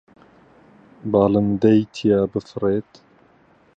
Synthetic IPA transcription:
baːlɨmd̪ɐjt̪ʰijaːbɨfreːt̪

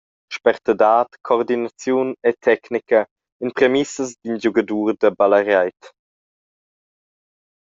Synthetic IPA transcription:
ʃpɛʁtədaːtkʰɔʁdinat͡sjunetʰɛknikə | inpɾemisəsd̪ind͡ʒuɡaduːʁd̪əbalaɾjajt

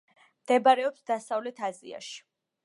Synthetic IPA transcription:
md̪̥ɛbaɾɛɔpsd̪asavlɛt̪ʰazḭa̰ʃi̥

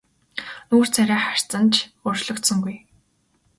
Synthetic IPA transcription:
nuːr̥t͡sʰæɾʲæːχar̥t͡sə̆nt͡ɕʰʊrt͡ɕɮɞ̆kt̪sə̆ŋɡuj

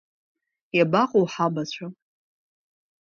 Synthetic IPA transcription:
jabaqʼowħabat͡ɕʷʰa

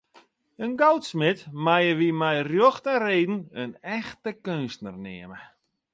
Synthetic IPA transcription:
ənɡowtsmɪtmajəʋimɛjrjoxtəreːdn̩ənɛxtəkønstnərnɪ̰əmə

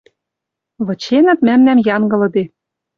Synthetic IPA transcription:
βɤ̆t͡ɕenɘ̆t̪̚mæmnæmjɑŋɡɤ̆lɤ̆d̪e

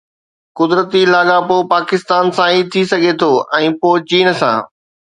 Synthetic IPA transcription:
kʊd̪ɾət̪ilaːɠapopaːkɪst̪aːnsãit̪ʰisɐɡʱet̪ʰoːʔɛ̃ːpoːt͡ɕiːnsã̰ː

